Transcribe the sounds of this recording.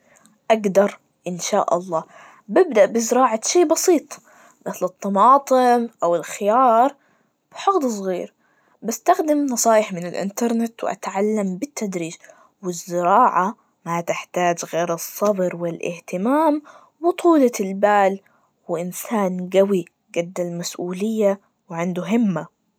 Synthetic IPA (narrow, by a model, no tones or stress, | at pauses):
ʔaɡd̪ɑɾˤ | ʔɪnʃa̰ːʔɑ̰lˤːɑː | bɪbd̪aʔbɪzɪɾɑːʕaʃiːbɑsiːt̪ˤ | mɪθlɨt̪ːɑmɑːt̪ˤɨmʔawɪlxɪjɑːɾˤ | b̥ɪħʊɣd̪ˤs̬ˤɣiːɾ | basːt̪axd̪ɪmnɑsˤɑːjɪħmɪnɪlʔɪ̰nt̪ɑɾˤnɪt̪wɪ̰ʔa̰t̪ʕalːambɪt̪ːad̪ɾiːd͡ʒ | wɪzːɪɾɑːʕa | mat̪ɪħt̪aːd͡ʒɣeːɾɨsˤːɑbɾwɪlʔɪ̰ht̪ɪmaːm | bʊt̪ˤuːlalbaːl | wɪʔɪnsaːnɡawi | ɡad̪ːalmasʔuːlɪjːa | wʕɪnd̪ʊɦɪmːa